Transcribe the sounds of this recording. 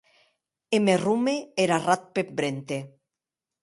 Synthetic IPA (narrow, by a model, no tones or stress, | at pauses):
emerumeeɾarat̪̚pep̚bɾent̪e